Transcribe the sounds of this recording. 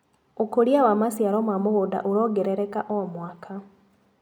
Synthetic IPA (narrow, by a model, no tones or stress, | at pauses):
okoɾiawamasjaɾomwamuɣoda̰ʔuɾoːɡeɾeɾekaʔomwakʰa